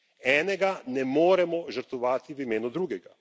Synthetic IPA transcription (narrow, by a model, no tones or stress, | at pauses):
ɛːnɛɡanɛmoːɾɛmɔʒəɾt̪ʋɔʋaːt̪iʋimeːnud̪ɾuːɡɛɡa